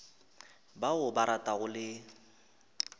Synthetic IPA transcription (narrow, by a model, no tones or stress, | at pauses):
baʊbaɾatʼaɣʊlɪ